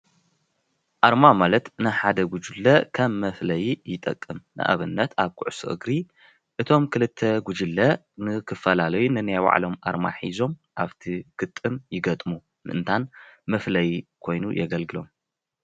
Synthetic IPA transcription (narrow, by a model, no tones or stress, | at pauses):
ʔaɾmamalɐt̪nɨħad̪ɐɡud͡ʒɨlːɐkʰɐmːɐflɐjijɪt̪ʼɐ̰kʼːɨmnɨ̰ʔa̰βɨnːɐt̪ʰaβkʰʊʕsɨʔɨ̰ɡɾi | ʔɨt̪ʰo̞mkʰɨlɨt̪ʰːɐɡud͡ʒɨlːɐ | nɨkʰɨfɐlalɐjunɨnajwa̰ʕlo̞mʔa̰ɾma̰ħizo̞mʔaβt̪ʰiɡ̥ɨt̪ʼːɨmjɪɡɐt̪ʼmu | nɨʔɨnt̪ʰanmɐflɐjikʰo̞jnujɛɡɐlɡɨlo̞̰m